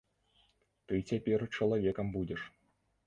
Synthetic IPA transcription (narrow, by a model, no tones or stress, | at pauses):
t̪ɨt͡sʲapʲɛrt͡ʂɐlˠavʲɛkɐmbud͡zʲɛʂ